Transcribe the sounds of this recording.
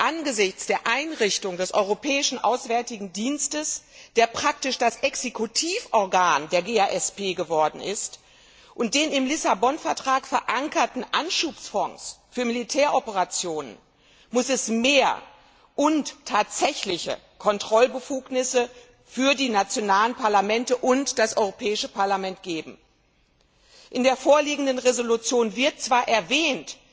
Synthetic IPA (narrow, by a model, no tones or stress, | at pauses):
ʔanɡəzɪçt͡sd̥eːɐʔaɪnʁɪçtʊŋdɛsʔɔʏʁopʰɛːɪʃn̩ʔa̰ʊsv̥ɛɐtɪɡŋ̩diːnstəsd̥eːɐpʁ̥ak̚tɪʃd̥asʔɛksekʰutʰiːfʔɔɐɡaːndeːɐɡeːaːʔɛspeːɡəvɔɐdn̩ɪ̰st | ʔʊnt̚d̥eːnɪmlɪsabɔnfɛɐtʁ̥aːkfɛɐʔaŋkɐtn̩ʔanʃuːpsfɔŋsfyːɐmilitʰɛːɐʔɔpəʁat͡sjoːnə̰n | mʊsɛsmeːɐ | ʔʊnttʰːaːtz̥ɛçlɪçə̰ | kʰɔntʁ̥ɔlbəfuːknɪsə | fyːɐdiːnat͡sjonaːlənpʰaɐlamɛntəʔʊntd̥asʔɔʏʁopʰɛːɪʃəpʰaɐlamɛntɡ̥eːbm̩ | ʔɪndeːɐfoːɐliːɡŋ̩dənʁezolut͡sjoːnvɪɐt̚t͡sv̥aːɐʔɛɐvɛːnt